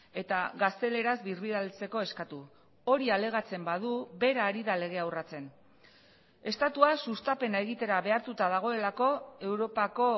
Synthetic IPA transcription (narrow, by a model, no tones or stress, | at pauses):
e̞t̪aɣast̪e̞le̞ɾazbirβiðalt͡se̞ko̞e̞skat̪u | o̞ɾiale̞ɣ̞at͡se̞mbað̞uβe̞ɾaːɾiðale̞ɣ̞e̞awrat͡se̞n | e̞st̪at̪uasust̪ape̞nae̞ɣ̞it̪e̞ɾaβe̞aɾt̪ut̪að̞aɣ̞o̞e̞lako̞e̞wɾo̞pako̞